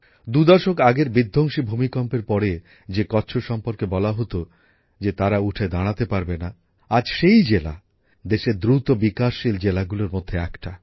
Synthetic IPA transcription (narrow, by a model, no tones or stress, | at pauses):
d̪ud̪ɔʃokaɡeɾbid̪ʱːoŋʃibʱumikɔmpeɾpɔɽe | d͡ʑekɔːɕʰoʃɔmpoɾkebɔlaɦot̪o | d͡ʑet̪aɾauʈʰed̪aɽ̃at̪epaɾbena | ad͡ʑʃejd͡ʑela̰ | d̪eʃeɾd̪ɾut̪obikaʃːild͡ʑelaɡuloɾmod̪ʱːeɛkʈa